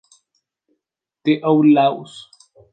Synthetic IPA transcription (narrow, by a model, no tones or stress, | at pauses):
t̪eʔowlaws